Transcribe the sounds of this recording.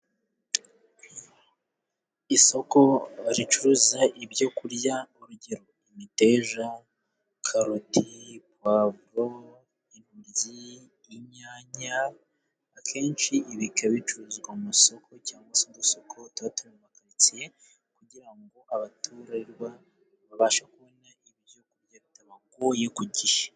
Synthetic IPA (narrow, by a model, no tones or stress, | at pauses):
iso̞ko̞aɾit͡ʃuɾuzaʔibɟo̞kuɾjauɾuɟe̞ɾo̞imite̞ːʒa | kʰaɾotʰipwaβuɾo | imuɾjiː | ɲaːɲaː | kʰe̞ːnt͡ʃiiβikaβit͡ʃuɾuːzɡwamuso̞kʰo̞caːŋɡwasinduso̞kʰo̞tuatumemakaɾit͡sie | kuɟiɾaŋɡo̞ʔaβatʰuːɾaiɾwa | βaβaːʃakuβo̞naiβjo̞kuɾjaβitaβaɡojekuɟiʃḁ